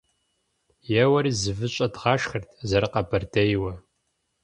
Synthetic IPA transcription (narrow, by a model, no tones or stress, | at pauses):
jɛwɐɾiːzɨvɨɕʼɐdʁɑːʃxɐrtʰzɐɾɐqɐbʰɐrdʰɐjwɐ